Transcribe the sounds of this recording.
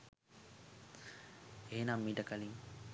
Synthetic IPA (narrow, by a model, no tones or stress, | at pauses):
eːnamːiɖəkaliŋ